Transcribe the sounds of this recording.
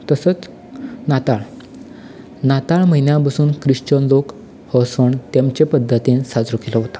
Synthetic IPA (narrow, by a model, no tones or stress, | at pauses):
t̪əsət͡s | nat̪aɭ | nat̪aɭməɦinjapasuːnkɾiʂt͡ɕənlok | hɔsəɳt̪jamt͡ɕepəd̪ʱːət̪ĩnsad͡zɾukeləɦot̪ḁ